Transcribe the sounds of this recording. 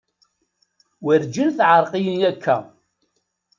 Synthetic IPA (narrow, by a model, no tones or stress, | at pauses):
wəɾd͡ʒilθʕəɾˤqijənjækʰːæ̰